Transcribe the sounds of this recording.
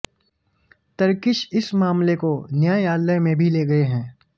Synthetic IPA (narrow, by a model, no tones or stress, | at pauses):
t̪ɐɾkɪʃɪsmaːmlekonjaːjaːlːəmẽbʱileːɡɐeɦɛ̃ː